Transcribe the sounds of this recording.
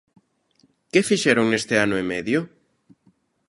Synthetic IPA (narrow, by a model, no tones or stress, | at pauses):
kefiʃɛɾoŋest̪eanʊemɛðjo